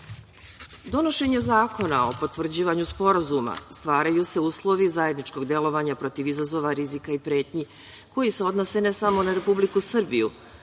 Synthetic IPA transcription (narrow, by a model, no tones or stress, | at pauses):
d̪o̞no̞ʃe̞ɲe̞zaːko̞nao̞po̞t̪vr̩d͡ʑiːʋaɲuspo̞ɾazuma̰st̪ʋaːɾajuse̞uːslˠo̞ʋizaje̞d̪nit͡ʃko̞ɡd̪e̞lˠo̞ʋaɲapɾo̞t̪iʋizazo̞ʋaɾizikaipɾe̞ːt̪ɲi | ko̞jise̞o̞d̪no̞se̞ne̞samo̞naɾe̞publikusr̩bijṵ